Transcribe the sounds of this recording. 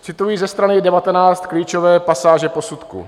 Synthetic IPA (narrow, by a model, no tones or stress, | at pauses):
t͡sɪt̪ujiːzɛst̪ɾanɪdɛvat̪ɛnaːt͡st̪kliːt͡ʃovɛːpasaːʒɛpo̞sut̪kṵ